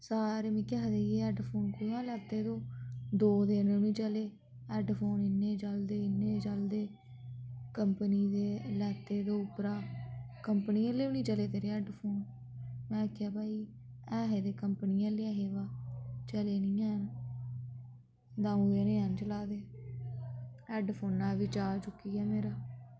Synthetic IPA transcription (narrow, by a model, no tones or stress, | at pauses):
saːɾeːmĩːkaːd̪eːjeːɛːɖpʰoːnkoãːlɛːt̪eːd̪oːd̪oːd̪eːnẽnĩːt͡ʃəleː | ɛːɖpʰoːnɪnːeːd͡ʒəld̪eːɪnːeːd͡ʒəld̪eː | kəmpəniːd̪eːəlɛːt̪ːeːd̪oːʊpɾaː | kəmpəniːəleːʊnĩːt͡ʃəleːt̪eːɾeːɛːɖpʰoːn | mɛ̃ːkʰːaːbaːiː | ɛːɦeːd̪eːkəmpniːɛːleːaːɦeːʋaːt͡ʃəleːnĩːɛn | d̪ãːũːeneːənt͡ʃəlaːd̪eː | ɛːɖpʰoːnːãːʋiːt͡ʃaːt͡ʃʊkːiːɛːmeːɾaː